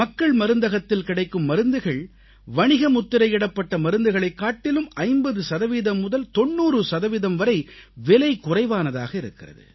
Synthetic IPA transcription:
mɐkːɐɭmɐɾɯnd̪ɐɣɐt̪ːɪlkɪɽɐɪkːɯmːɐɾɯnd̪ɯɣɐɭ | ʋɐɳɪɣɐmʊt̪ːɪɾɐɪɪɽɐpːɐʈːɐmɐɾɯnd̪ɯɣɐɭɐɪkːaːʈːɪlɯmɐɪmbɐðɯsɐðɐʋiːðɐmːʊðɐlt̪ɔɳːuːrɯsɐðɐʋiðɐmʋɐɾɐɪʋɛlɐɪkʊrɐɪʋaːnɐða̰ːɣɐɪɾɯ̰kːɪrɐ̰ðɯ̰

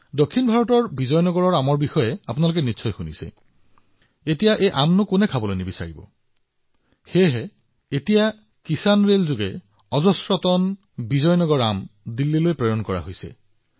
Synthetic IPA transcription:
dokʰːinbʱaɹɔtɔɹbizɔjnɔɡɔɹɔɹamɔɹbixɔjɛapʊnalʊk̬ɛnitːsʰɔjxunḭsɛ̰ | etijaʔejʔamnʊkʊnɛkʰabɔlojnibisa̰ɹibɔ̰ | xeɦɛ | etija | kisanɹelzʊɡɛ | ɔzɔsɹɔtɔn | bizɔjnɔɡɔɹamdilːilojpɹɔjɔnkɔɹa̰ɦojsɛ̰

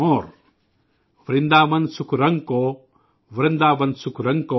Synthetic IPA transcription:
oːɾ | ʋɾind̪aːʋɐnsukʰɾɐŋɡko | ʋɾind̪aːʋɐnsukʰɾɐŋɡko

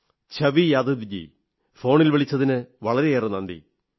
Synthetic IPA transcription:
t͡ɕʰɐʋijaːd̪ud̪id͡ʑḭ | fo̞ːɳilʋiɭit͡ɕːɐðinɨʋɐɭɐɾe̞jeːrenɐnd̪ḭ

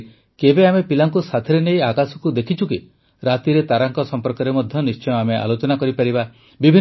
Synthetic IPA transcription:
kebeamepilaŋkusat̪ʰeɾenejakasɔ̥kud̪ekʰit͡ʃʰuki | ɾat̪iɾet̪aɾaŋkɔsɔmpɔɾkɔɾemɔd̪ʱjɔnist͡ʃɔjɔameʔa̰lot͡ʃɔnakɔɾipaɾiba | bibʱi

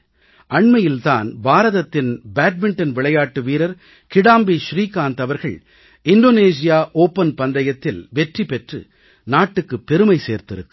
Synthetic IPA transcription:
ɐɳmɐjɪlt̪a̰ːnbaːɾɐðɐt̪ːɪnbaːʈ̚mɪɳʈɐnʋɪɭɐjaːʈːɯʋiːɾɐɾ | kɪɽaːmbiʃɾiːkaːnt̪ɐʋɐɾɣɐɭ | ɪɳɖoːneːs̬ɪjaːʔoːpːɐnpɐnd̪ɐjɐt̪ːɪlʋɛʈripɛʈrɯ̰ | naːʈːɯkːɯpːɛɾɯmɐɪseːɾt̪ɪɾɯkːɯ

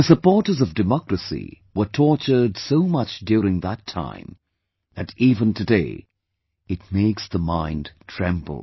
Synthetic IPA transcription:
ðəsəpɔɹɾə˞zʌvdɨmɑkɹɨsḭ | wə˞tʰɔɹt͡ʃə˞dsoʊmʌt͡ʃdjʊɹɪ̃ŋðətʰã̰ɪ̃m | ðɨɾivə̃ntʰɨdeɪ | ɨt̚meɪksðəmãɪ̃ntʰɹ̥ɛ̃mb̰l̩ˠ

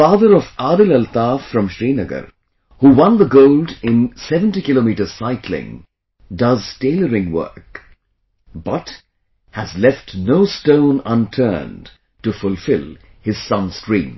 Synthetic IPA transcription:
faːðəɾɔvaːɾɨlɛlt̪aːfɾʌ̃mʃɾiːnəɡə̰ɾ | huwʌ̃nd̪ðəɡoʊldɪ̃nsɛvə̃ntikɪlomiːʈəz̥saɪkʰlɪ̰̃ŋ | dʌzteɪləɾɪ̃ŋwɜ̰˞k | bʌt | hæzlɛftnoʊstõʊ̃nʌ̃ntʰɜ̰ːn | tufʊlfɪlˠ | hɪz̥sʌ̃nskɹḭ̃ːm

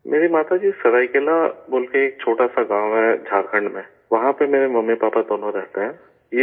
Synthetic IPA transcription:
mʔeːɾimaːt̪ad͡ʒiːsɐɾaːikelaboːlkeːk̚t͡ʃʰoːʈasaɡãːwɦɛd͡ʒʱaːɾkʰə̃ɳɖmẽ | ʋɐɦãpemeːɾemɐmːepaːpad̪oːnoɾɛɦt̪eɦɛ̃ː | je

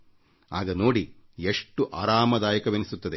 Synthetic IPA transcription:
aːɡɐno̞ːɽi | eʂʈːuʔaːɾaːmɐd̪aːjɐkɐʋenisut̪ːɐd̪e

